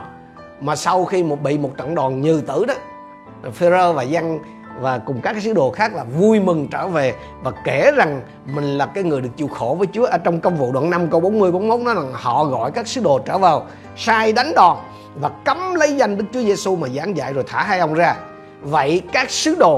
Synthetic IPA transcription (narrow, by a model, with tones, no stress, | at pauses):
maː˨˩sa˧wxi˧mo˨˩t̚ɓḭ˧˨mo˨˩t̚t͡ɕɔ̰˧˨nɗɔ˨˩nɲɨ˨˩t̪ɨ˧˩ɗɔ˨˦˨ | fe˧zəː˧vaː˨˩za˧ŋ | vaː˨˩kʊ˨˩ŋ͡mkaː˦˥kːaː˦sɨ˨˦˥ɗo˨˩xaː˦˥k̚laː˨˩vu˧jmɨ˨˩ŋt͡ɕəː˧˩ve˨˩ | vaː˨˩ke˧˩za˨˩ŋ | mï˨˩ŋ̟laː˨˩kaː˨˦jŋɨ˨˩əjɗɨ˨˩ək̚t͡ɕu˧˨˩xo˧˩vəː˨˦jt͡ɕu˨˦əʔəː˧˦t͡ɕɔ˧wŋ͡mkə˧wŋ͡mvṵ˧˨ɗwa̰ː˧˨˩na˧mkə˧wɓo˨˦nmɨ˧əjɓo˨˦nmo˦˥t̚nɔ˨˦za˨˩ŋhɔ̰˧˨ɣɔ̰˧˨jkaː˦˥k̚sɨ˨˦ɗo˨˩t͡ɕəː˧˩vaː˨˩w | saː˧jɗa˨˦jŋɗɔ˨˩n | vaː˨˩kə˨˦mlə˨˦jza˧jŋ̟ɗɨ˦˥k̚t͡ɕu˨˦əze˧su˧maː˨˩zaː˨˦ŋza̰ː˧˨jzo˨˩jt̪ʰaː˧˩˦ɦa˧jʔə˧wŋ͡mzaː˧ | və̰˧˨jkaː˦˥k̚sɨ˨˦˥ɗo˨˩